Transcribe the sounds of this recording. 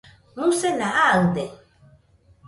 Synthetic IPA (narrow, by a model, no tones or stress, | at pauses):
musenaʔaɯd̪e